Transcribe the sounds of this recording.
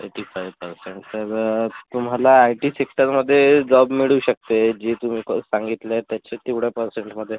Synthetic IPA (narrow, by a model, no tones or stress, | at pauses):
eʈiːfajʋpəɾseɳʈt̪əɾt̪um̤alaːjʈiːsiksəɾməd̪ʱːjed͡zɔbmiɭuːɕək̚t̪ed͡ʑet̪um̤iːksãŋɡit̪let̪jat͡ɕet̪iʋɽjapəɾseɳʈməd̪ʱːje